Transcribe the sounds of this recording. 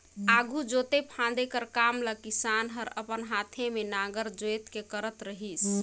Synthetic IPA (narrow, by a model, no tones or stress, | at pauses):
aɡʱud͡ʒot̪epʰãd̪ekəɾkamləkisanɦəɾə̰pənɦat̪ʰemenaɡəɾd͡ʒojt̪kekəɾət̪ɾəɦit͡ʃʰ